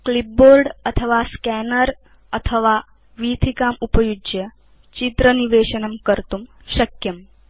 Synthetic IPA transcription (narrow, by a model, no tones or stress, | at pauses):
klip̚boːɾɖɐt̪ʰəʋaskɛːnəɾ | ɐt̪ʰəʋaː | ʋiːt̪ʰikaːmupɐjud͡ʒjɐ | t͡ʃit̪ɾəniʋeːʃɐnɐmkəɾt̪um | ʃɐkjɐm